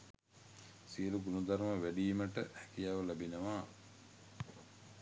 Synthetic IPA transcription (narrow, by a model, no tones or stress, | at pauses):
siəluɡunud̪aɾməʋæɖiːməʈəhɛkijaʋəlæbinəʋaː